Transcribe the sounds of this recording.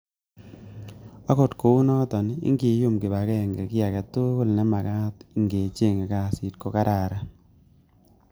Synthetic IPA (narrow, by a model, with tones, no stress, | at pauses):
ɔ˦ko˨tko˨u˦nɔ˦tɔ˨nḭ˦ŋɡi˨˦jʊ˦mkɪ˨ba˨kɛ˦˨ŋɡɛ˨kɪ˦a˨kɛ˨tʊ˦kʊ˦lnɛ˦ma˨ka˦tŋɡe˨t͡ʃe˦˨ŋe˨ka˦si˨˦t̚ko˦ka˦ɾʔa˨ɾa˦